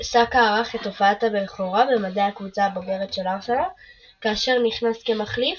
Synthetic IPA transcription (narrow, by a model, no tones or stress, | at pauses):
sakaːʁaχet̪ːo̞faatabeχoʁabemadahakvut͡sabo̞ɡe̞ʁet̪ʃe̞laʁʃala | kaːʃe̞ʁniχnaske̞maχlif